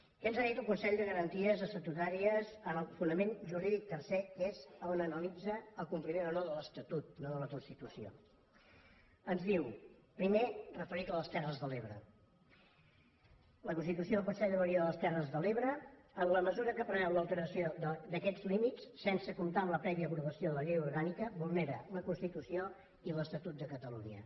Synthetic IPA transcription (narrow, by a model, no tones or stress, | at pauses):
kənzaðit̪ulˠkunsɛʎd̪əɣəɾənt̪iəzəsət̪ut̪aɾiəzənəlˠfunəmenʒuɾiðik̚t̪ərsekezonənəlid͡zəːlˠkumpɾimenonoðələst̪ət̪ut̪̚noðələkunst̪it̪usio̰ | ənzðiwpɾimerəfəɾikələst̪ɛrəzðəleβɾə̰ | ləkunst̪it̪usjopəsɛəβəɾioðələst̪ɛrəzðəleβɾə | ənləməzuɾəkəpɾənɛwləlˠt̪əɾəsioðəd̪əkɛd͡zlimit͡ssensəkumt̪amləpɾɛβiəːpɾuβəsioðələʎejuɾɣanikəbulˠneɾə̰ləkunst̪it̪usio | iləst̪ət̪ut̪̚d̪əkət̪əlṵɲə̰